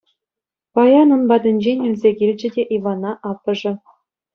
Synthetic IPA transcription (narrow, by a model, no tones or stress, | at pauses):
pɑjɑnunbɑd̪ʲɘ̆nʲd͡ʑenʲylʲzʲeɡʲilʲd͡ʑɘ̆dʲeʔiʋɑnɑʔɑpːɤ̆ʐɘ̆